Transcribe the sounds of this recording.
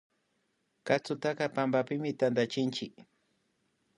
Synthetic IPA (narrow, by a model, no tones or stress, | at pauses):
kat͡sʊt̪akɑpambapɪmɪt̪and̪at͡ʃɪnt͡ʃɪk